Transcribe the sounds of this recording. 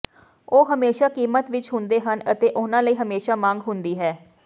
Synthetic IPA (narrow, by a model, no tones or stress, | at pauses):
oːɦəmeːʃaːkiːmət̪ʋɪt͡ʃɦʊnd̪eːɦənət̪eːʔʊnãːləiːɦəmeːʃaːmãːŋɡɦʊnd̪iːɦɛː